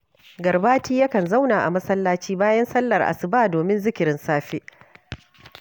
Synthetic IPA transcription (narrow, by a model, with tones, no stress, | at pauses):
ɡɐ˨rbaː˦tiː˦ja˦kɐ˨nza˦wnaː˨ʔa̰˨mɐ˦sɐ˦lːaː˦t͡ʃiː˦baː˦jɐ˦nsɐ˦lːɐ˨rʔa̰˨sɪ˨baː˦˨doː˨mɪ˦nzɪ˦kʲɪ˨ɾɪ˦nsaː˦ɸe˦ʔ